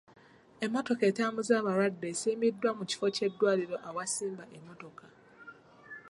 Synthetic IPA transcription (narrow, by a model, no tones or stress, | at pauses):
e̞mːoto̞ke̞taːmuzaːβaɾwadːe̞siːmidːwamuci̥fo̞ce̞dːwaːliɾo̞ʔawasiːmbaʔemːo̞to̞ka